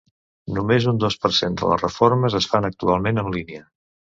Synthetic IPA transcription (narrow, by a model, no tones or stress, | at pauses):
numezund̪ospərsend̪ə̰lə̰zrəforməzəsfanək̚t̪ualˠmenənliniə